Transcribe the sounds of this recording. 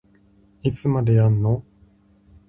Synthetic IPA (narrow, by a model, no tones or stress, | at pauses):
it͡sɨmad̪e̞janːo